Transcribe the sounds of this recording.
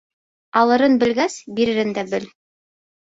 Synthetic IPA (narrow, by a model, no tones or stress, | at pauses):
ɑlˠɤ̆ɾɤnbɘ̆lɡæsbiɾɘ̆ɾɘnd̪æbɘl